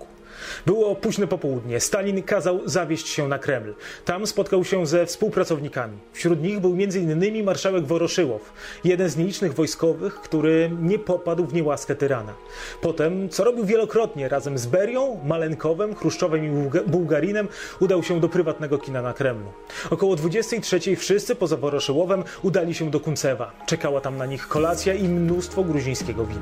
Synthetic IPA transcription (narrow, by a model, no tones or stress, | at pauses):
bɘwɔpuʑnɛpɔpɔwud̪ɲɛst̪alʲinkazawzavʲjɛɕt͡ɕɕɛnakɾɛmlt̪amspɔt̪̚kawɕɛzɛfspuwpɾat̪sɔvɲikamʲifɕɾut̪ɲiɣbɘwmʲɛnzɘinːɘmʲimaɾʂawɛɡvɔɾɔʂɘwɔ̰f | jɛd̪ɛnzɲɛlʲit͡ʂnɘɣvɔjskɔvɘxkt̪uɾɘɲɛpɔpad̪wvɲɛwaskɛt̪ɛɾana̰ | pɔt̪ɛmt̪sɔɾɔbʲiwvʲjɛlɔkɾɔt̪ɲɛɾazɛmzbɛɾjɔ̃w̃malɛŋkɔvɛmxɾuʂt͡ʂɔvɛmibuwɡaɾʲinɛmud̪awɕɛd̪ɔpɾɘvat̪nɛɡɔkʲinanakɾɛmlu | ɔkɔwɔd̪vud͡ʑɛst̪ɛjtʂɛt͡ɕejfʂɘst̪sɘpɔzavɔɾɔʂɘwɔvɛm | ud̪alʲiɕɛd̪ɔkunt̪sɛva | t͡ʂɛkawat̪amnaɲixkɔlat̪sʲjaimnust̪fɔɡɾuʑĩj̃skʲɛɡɔvʲḭna